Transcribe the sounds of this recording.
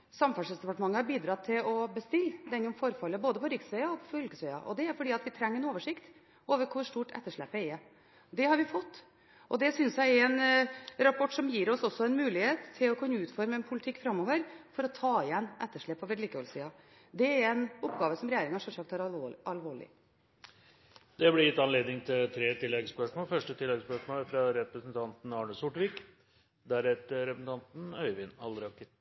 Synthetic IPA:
sɑmfɑlʂɛsd̪ɛpɑʈəmɑŋːəhɑɾbiːd̪ɾɑt̪ʰːɪlɔbəst̪ɪlːd̪ɛnːɔmfɔɾfɑlːəboːd̪əpʰɔɾɪksʋɛɪɑɔpʰɔfʏlkəsʋɛɪɑ̰ʔɔ̰d̪ɛæɾfɔɖiːɑt̪ʋɪt̪ʰɾɛŋːəɾnoːʋəʂɪkt̪ | ʔoːʋəɾkʰʊɾʂʈuːʈɛ̰t̪ːəʂɭɛ̰pːɛɛ | d̪ɛhɑɾʋɪfɔt̪ː | ʔɔd̪ɛsʏnsjæɪɾɛnɾɑpʰɔʈːsɔmjiːɾɔsɔsːɔɛnmʉːlɪheːt̪ʰːɪlɔkʰʉnːəʉːt̪fɔɾməɛnpʰʊlɪt̪ʰɪkːfɾɑmːɔːʋəɾfɔɾɔt̪ʰɑːɪjɛnːʔɛt̪ːəʂɭɛpːɔʋɛd̪liːkəɔlsiːɑ | d̪ɛæɾɛnɔpɡɑːʋəsɔmɾɛjeːɾɪŋɑʂɛlsɑk̚t̪hɑɾɑlʋoːɭɪ̰ | d̪ɛblɪjɪt̪ːɑnleːd̪nɪŋt̪ʰɪlt̪ʰɾeːt̪ʰɪlːɛɡspœʂmoːlfœʂʈət̪ʰɪlːɛɡspœʂmoːlfɾɑɾɛpɾəsnt̪ʰɑnt̪n̩ɑːɳəsʊʈʋɪk | d̪æɾɛt̪əɾɛpsn̩t̪ɑnt̪n̩œʏʋɪnɑld̪ɾɑkːə

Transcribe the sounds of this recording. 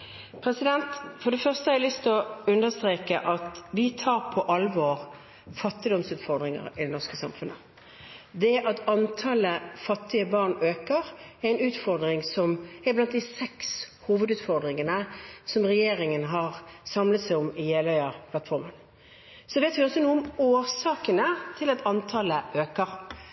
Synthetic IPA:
pʰɾɛsɪd̪ɛnt̪fɔɾɖ̪ɛfœʁst̪əhɑɛlʏst̪ɔʉnd̪əst̪ʁeːkəʔɑt̪ʋɪt̪ʰɑːɾpʰɔʔɑlːʋoːɾ | fɑt̪ːɪd̪ɔmsʉːt̪fɔɾd̪ʁɪŋə̰ɾɪd̪ɛnɔʁskəsɑmfʉnə | d̪ɛæʔɑt̪ɑnt̪ʰɑləfɑt̪ːɪəbɑʁnøːkəʁɛæɪnʉːt̪fɔɾd̪ʁɪŋsɔmæblɑnt̪̚d̪ɪsɛkshuːʋəd̪ʉːt̪fɔʁd̪ɾɪŋənəsɔmʁɛjeːɾɪŋənɦɑʁsɑmlət̪sæɪɔmɪjeːlœʏəpʰlɑt̪fɔɾmən | sɔʋeːt̪ʋɪɔsːɔnuːɔmoːɾsɑːkənət̪ʰɪlɑt̪ɑnt̪ʰɑləʔøːkəɾ

